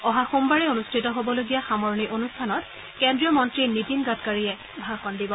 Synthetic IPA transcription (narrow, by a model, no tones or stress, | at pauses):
ɔɦaxumbaɹɛonustʰɹitɔɦobɔloɡijaxamɔɹniʔonustʰanɔt | kɛndɹijɔmɔntɹinitinɡatkaɹiɛ | bʱaxɔndibɔ